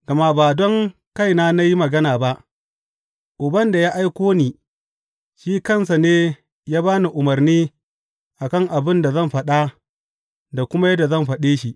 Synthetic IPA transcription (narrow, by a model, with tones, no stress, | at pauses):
ɡɐ˨ma˦baː˨dɔ˦ŋ | ka˦˨jnaː˦na˦ji˦mɐ˨ɡɐ˦naː˨ba˦ʔ | ʔʊ˨bɐ˦nda˨jaː˦ʔa˦jkʷoː˦niː˨ | ʃiː˦kɐ˦˨ns̬a˨neː˦ | jaː˦baː˦ni˨ʔʊ˨mɐ˨rniː˦ | ʔa˨kɐ˦˨ŋʔa˨bɪ˦nda˨zɐ˦˨mɸɐ˦ɗa˦ | da˨kʷʊ˦ma˦jɐ˦da˨zɐ˦˨mɸɐ˨ɗeː˦ʃi˨ʔ